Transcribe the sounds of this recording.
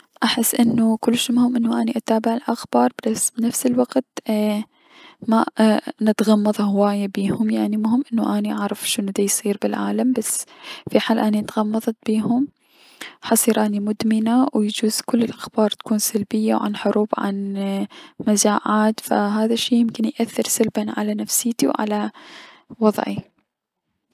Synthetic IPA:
ʔaħɪsːʔɪnːukʊlːʃmʊhɪmʔɪnːuʔaniʔat̪aːbɪʕɪlʔaxbɑːɾˤbasːbnafsɪlwaɡt̪ | manɪt̪ɣɑmːɑðˤɑhʊwaːjabiːhʊmjaʕnimʊhɪmːʔɪnːuʔaniʔaʕɾˤɑfʃɪnd̪ajsˤiːɾbɪlʕa̰ːlambasːfiħaːlʔaniɪt̪ɣɑmːɑðˤɑt̪̚b̥iːhʊm | ħɑsˤiːɾʔanimʊd̪mɪnawjd͡ʒuːz̥kʊlːɪlʔaxbɑːɾˤt̪ḁkuːnsalbɪjːawʕa̰nħʊɾuːbʕa̰n | mazaːʕaːd̪fa̰ɦaːðaʃːiːjɪmkɪnjʔaθːɪɾsalbanʕa̰lanafsiːt̪iwʕa̰la | wɑðˤʕḭ

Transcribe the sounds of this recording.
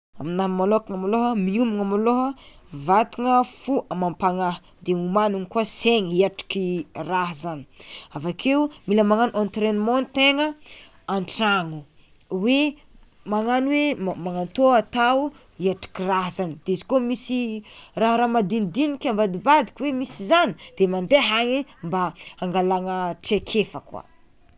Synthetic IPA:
aminamalokaŋamaloɦəmiumuŋamaloɦəvat̪iŋəfuʔamampaŋaɦ | d̪eumanunikuaseŋiaʈ͡ʂi̥kiraɦzani̥avakʰeumiləmaŋanʔant̪ɾenmont̪eŋə | aɳʈ͡ʂaŋu | we | maŋanwemaŋant̪oat̪awu | iaʈ͡ʂi̥kiraɦzanid̪̥eizi̥komisiraɦɾamad̪ind̪inikʲambad̪ibad̪i̥kʲiwemisizanid̪̥emand̪eɦaŋimbaaŋɡalaŋəʈ͡ʂekʰefakwa̰

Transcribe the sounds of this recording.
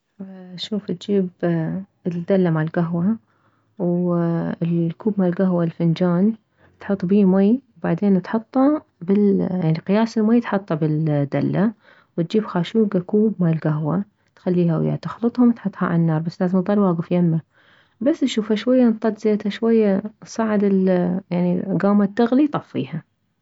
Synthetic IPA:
ʃuːft̪d͡ʒiːb | ɪd̪alːamaʕlɡaɦwa | w | lkuːbmaːlɡaɦwalfɪnd͡ʒaːn | t̪ħʊt̪ˤːbiːmajwbaʕd̪eːnt̪ħɑt̪ˤːɑ | bɪljaʕniqɨjaːsɪlmaːjt̪ħɑt̪ˤːɑbɪld̪a̰lːa | wɪt̪̚d͡ʒiːbxaːʃuːɡakuːbmaːlɡaɦwa | t̪xalːiːhawja̰t̪ɪxlɨt̪ˤhʊmt̪ħɑt̪ˤːhɑʕa̰lnːɑːɾˤbasːlaːzɪmðˤɑlwaːɡəfjamːa | basːʃuːfhaʃwajːant̪ˤːɑd̪zeːt̪haʃwajːasˤɑʕɪd̪ɪljaʕniɡaːmat̪ːaɣlit̪ˤɑfːḭːha

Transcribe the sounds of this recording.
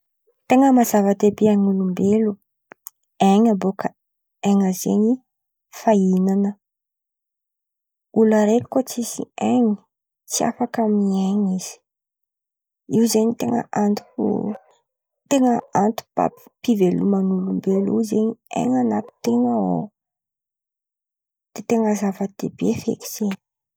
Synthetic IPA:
t̪eŋəmazavat̪ebiaŋulumbelu | eŋambokʰə | eŋəzeɲi | fainanə | ulaɾeti̥kot͡sisḭeŋi̥ | t͡sia̰fakamieŋiz̥i̥ | iwzeɲit̪eŋə̰ʔant̪u̥ṵ | t̪eŋəant̪u̥ba̰ppivelumanulumbelṵzeɲiḛŋanat̪i̥t̪eŋəo̰ | d̪̥et̪eŋəzavəd̪̥ḛbefḛki̥seni̥

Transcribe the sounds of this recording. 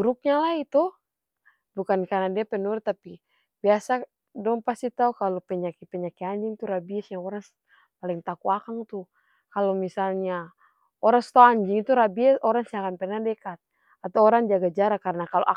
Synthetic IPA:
uɾuk̚ɲalait̪u | bukankarnadiapɛnuɾt̪ːapi | biasa | dɔŋpast̪it̪aukalɔpɛɲakipɛɲakiaɲd͡ʒiŋt̪uɾabiɛsjaŋɔɾaŋ | palɛŋt̪akuakaŋt̪u | kalɔmisalɲa | ɔɾaŋst̪ɔaɲd͡ʒiŋit̪uɾabiɛsɔɾaŋsiaŋanpɛrnadɛkat̪̚ | at̪awɔɾaŋd͡ʒaɡad͡ʒaɾakaɾənakalɔʔa

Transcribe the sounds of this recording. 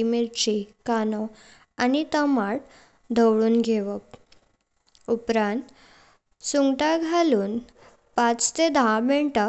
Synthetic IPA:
imilt͡ɕikanɔ | anit̪əmaɽ | d̪ʱəwɽuːnɡʱeʋək | upɾãnt̪ | suŋɡʈaɡʱaluːn | pãt͡st̪ed̪ameɳʈə

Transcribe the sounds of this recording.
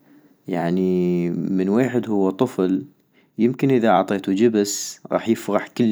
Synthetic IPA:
jaʕnimɪnweːħɪd̪hʊwːat̪ˤɨfl | jɪmkɪnʔɪðaʔɑ̰ʕt̪ˤeːt̪ud͡ʒɪbsɣɑ̰ːħjɪfɣɑħkɪlː

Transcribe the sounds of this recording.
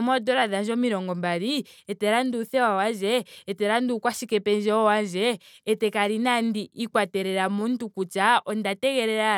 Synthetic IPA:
mɔdɔɾaðanʒɔmiɾɔŋɡɔmbaɾiɛtɛɾanduθɛwawanʒɛːtɛɾandukwaʃikɛpɛnd͡ʒɛɔwanʒɛː | tɛkaɾinandiʔikwatɛɾɛɾamuntukut͡ʃaɔndatɛɣɛɾɛɾa

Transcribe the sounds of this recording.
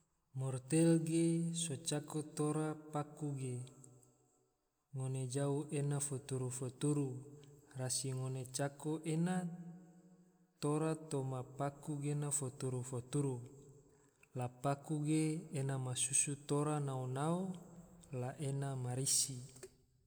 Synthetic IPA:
mɔrt̪elɡesot͡ʃakot̪oɾapakuɡe | ŋoned͡ʒauʔenafot̪uɾufot̪uɾurasiŋonet͡ʃakoʔena | t̪oɾat̪omapakuɡenafot̪uɾufot̪uɾu | lapakuɡeːnamasusut̪oɾanaonao | laʔenamaɾisi

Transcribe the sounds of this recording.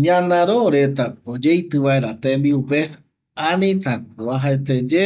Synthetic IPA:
ɲãnãɾoɾe̞t̪aod͡ʒejt̪ɨʋaeɾat̪ẽmbiupe | ãnĩt̪aaɦaet̪ed͡ʒe

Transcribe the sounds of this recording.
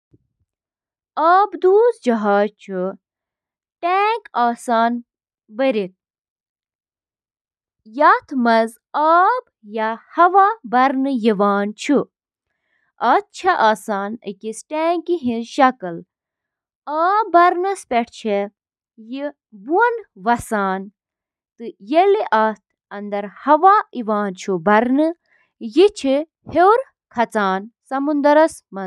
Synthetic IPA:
aːbd̪uːzd͡ʒɐɦaːt͡ʃʰu | ʈeːŋkaːsaːn | bəɾit̪̚ | jat̪ʰmɐz | aːb | jahɐʋabɐɾnɨjiʋaːnt͡ʃʰu | ɐt̪t͡ʃʰaʔaːsaːnɐ̰kisʈeːŋkiɦĩnʃɐkɐl | aːbɐɾnɐspʲeʈʰt͡ʃʰe | ji | buɐnʋɐsaːn | t̪ɨjeliʔɐt̪̚ʰ | ɐnd̪ɐɾhɐʋaiʋaːnt͡ʃʰubɐɾnɨ | jit͡ʃʰi | hewɾ | kʰɐt͡saːnsɐmund̪ɐɾɐs | mɐ

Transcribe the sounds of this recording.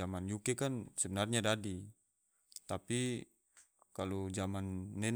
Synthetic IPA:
amanjukɛkansɛbənarɲadadi | t̪api | kalud͡ʒamanːɛn

